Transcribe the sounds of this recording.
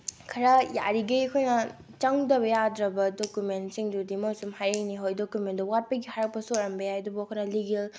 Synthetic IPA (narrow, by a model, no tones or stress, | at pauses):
kʰɐɾɐja̰ɾiɡekʰojnɐt͡ʃaŋdɐβɐjadɾɐbɐdokumentsiŋdudimosumhajɾeŋniɦojdokumentdɐwat̚pɐɡihaɾɐk̚pɐsoɾɐmbɐjajdubukʰojnɐliɡel